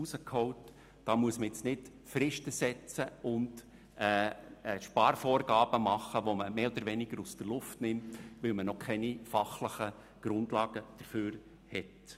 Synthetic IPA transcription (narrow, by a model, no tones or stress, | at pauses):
usəkʰɔʊt | d̥ɑːmuəsməjɛt͡snɪt | fɾɪʃtəsɛt͡səʊnd | ɛːʃpɑːɾfoːɾɡɑːb̥əmɑχːəʋoməmeːɔd̥̪əɾʋɛnɪɡ̥əɾusd̥ərlʊftnɪmtʋɪlmənɔkʰɛnifɑχləχə | ɡ̥ɾʊndlɑːɡ̥əd̥əɾføːɾ | hɛt